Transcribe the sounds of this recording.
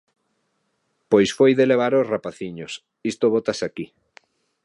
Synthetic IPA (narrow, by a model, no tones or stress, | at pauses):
pojsfojðeleβ̞aɾosrapaθiɲos | ist̪oβ̞ot̪asaki